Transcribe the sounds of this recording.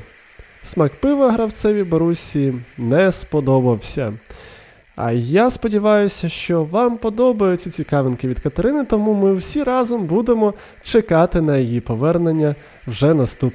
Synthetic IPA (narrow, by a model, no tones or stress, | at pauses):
smɐkpɪʋɐɦɾɐwt̪sɛʋʲibɔɾusʲinɛspɔd̪ɔbɐwsʲɐ̰ | ɐ̰jaspɔdʲiʋɑjʊsʲɐʃt͡ʃɔʋɑmpɔd̪ɔbɐjʊt͡sʲit͡sʲikɑʋenkɪʋʲid̪kɐt̪ɐɾɪnɪt̪ɔmumɪwsʲiɾɑzɔmbud̪emɔ | t͡ʃekɑt̪ɪnɐjijipɔʋɛrnenʲːɐ | wʒɛnɐst̪up